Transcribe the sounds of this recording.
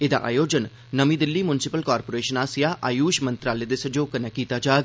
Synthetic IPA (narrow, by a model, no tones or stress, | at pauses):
ɪd̪a̰ːʔa̰ːjoːd͡ʒən | nəmiːd̪ɪlːiːmʊnɪsɪpəlkaːɾpoːɾeːʃənaːsɪjaːʔaːjuːʃmənt̪ɾaːleːd̪eːsəd͡ʒoːkənɛːkiːt̪aːd͡ʒaːɡ